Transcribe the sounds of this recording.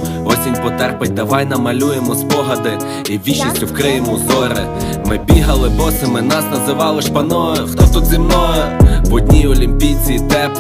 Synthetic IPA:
ɔsʲinʲpɔt̪ɛrpɪt̚ʲd̪ɐʋɑjnɐmɐlʲujemɔspɔɦɐd̪ɪ | ibʲiʃisʲtʲʊwkɾɪjemɔzɔɾɪ | mɪbʲiɦɐlˠɪbɔsɪmɪnɑsnɐzɪʋɑlˠɔʃpɐnɔʊt̪ɔt̪ut̪zʲɪmnɔjʊʋɔd̪ʲnʲiɔlʲimʲpʲijt͡sʲiːt̪ɛ

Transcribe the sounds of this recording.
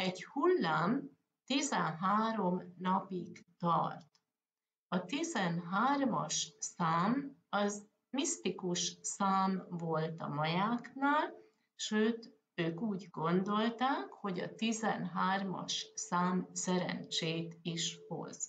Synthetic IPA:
ɛɟhulːaːm | t̪izɛnɦaːɾo̞mnɒpiɡt̪ɒ̰rt̪ | ɒt̪izɛnɦaːrmɒ̰ʃsaːmɒz | mist̪ikuʃsaːmvo̞lt̪ɒ̰mɒjaːknaːl | ʃøːt̪ | øːkuːɟɡo̞nd̪o̞lt̪aːkho̞ɟɒ̰t̪izɛ̰nɦaːrmɒ̰ʃsaːmsɛɾɛ̰nt͡ʃeːt̪iʃho̞̰z̥

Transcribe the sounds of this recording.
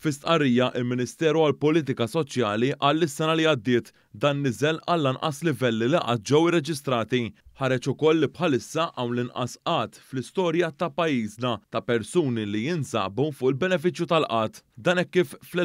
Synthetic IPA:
fɪst̪ʔɐɾːiːjɐʔɪlmɪnɪst̪ɛːɾuɐlpɔliːt̪̬ɪkɐsɔt͡ʃjɐːliʔɐːlːɪsːɛnɐliɐd̪ːɪːt̪ | d̪ɐːnːɪzɛlɐlːɐnʔɐ̰slɪvɛlːiliʔɐ̰ːt̪̚d͡ʒɛwɪrːɛd͡ʒɪst̪ɾɐːt̪iħɐɾɛt͡ʃʊkɔlːipħɐlɪsːɐʔʔɐwnlɪnʔɐ̰sʔɐːt̪flɪst̪ɔːɾjɐt̪ɐpɐjːiːznɐt̪ɐpɛɾsuːnilijɪnsɐ̰ːbufʊʔɪlbɛnɛfɪt͡ʃjut̪ɐlʔɐːt̪d̪ɐːnɛkːiːfl

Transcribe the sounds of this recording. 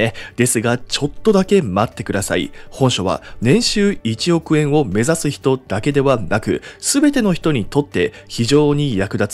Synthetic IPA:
ed̪̥e̞sɨɡat͡ɕo̞t̪ːo̞d̪ake̞mat̪ːe̞kɯ̟d̪asa̰ḭhõ̞ɰ̃ɕo̞βa̰nẽ̞ɰ̃ɕɨːit͡ɕio̞kɯ̟ẽ̞ɰ̃o̞me̞zasɨçi̥t̪o̞d̪̥ake̞d̪e̞βanakɯ̟̰sɨbe̞t̪e̞no̞çi̥t̪o̞ɲ̟it̪o̞t̪ːe̞ | çiʑo̞ːɲ̟ijakɯ̟d̪at͡sɨ̥

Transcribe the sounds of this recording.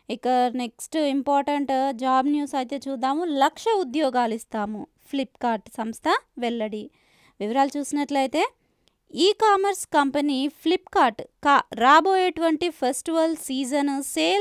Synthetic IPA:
ikːɐneksʈimpaːɾʈɐɳʈd͡ʒaːbnjuːsɐjt̪e̞ːt͡ʃuːd̪aːmulɐkʂɐud̪jɔːɡaːlist̪aːmu | pʰlipkaːɾʈsɐmst̪ʰɐʋɛlːɐɽi | ʋiʋɐɾaːlut͡ʃuːsinɐʈlɐjt̪e̞ː | iːkaːmɐɾskɐmpɐnipʰlipkaːɾʈkaːɾaːboːjeʈuʋɐɳʈipʰɐsʈiʋɐlsiːd͡ʒɐnseː

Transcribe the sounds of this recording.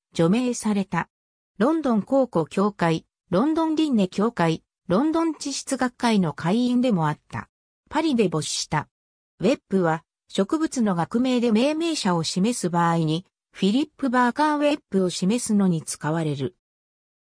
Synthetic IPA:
d͡ʑo̞me̞ːsaɾe̞t̪a | ɾõ̞nd̪õ̞ŋko̞ːko̞kʲo̞ːkai | ɾõ̞nd̪õ̞nɾʲinːe̞kʲo̞ːkai | ɾõ̞nd̪õ̞ɲ̟t͡ɕiɕi̥t͡sɨɡakːaino̞kʰaiĩnd̪e̞mo̞at̪ːa̰ | paɾʲid̪e̞bo̞ɕi̥ɕi̥t̪a | βe̞pːɯ̟βa | ɕo̞kɯ̟bɯ̟t͡sɨno̞ɡakɯ̟me̞ːd̪e̞me̞ːme̞ːɕao̞ɕime̞sɨbaːiɲ̟i | ɸʲiɾʲipːɯ̟baːkãβe̞pːɯ̟o̞ɕime̞sɨno̞ɲ̟it͡sɨ̥kaβaɾe̞ɾɯ̟

